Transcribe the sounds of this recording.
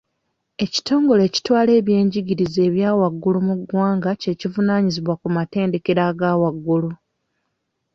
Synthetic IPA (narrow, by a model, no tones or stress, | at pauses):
e̞ci̥to̞ːŋɡo̞le̞ːci̥twaːle̞ːβje̞ːɲɟiɟiɾize̞ːβjaːwaɡːulumuɡwaːŋɡace̞ːcivunaːɲiziβwakumate̞ːnde̞ke̞ɾaɡaːwaɡːulu